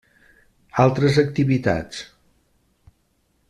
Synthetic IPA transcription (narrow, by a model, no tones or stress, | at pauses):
alˠt̪ɾəzək̚t̪iβit̪a̰t͡s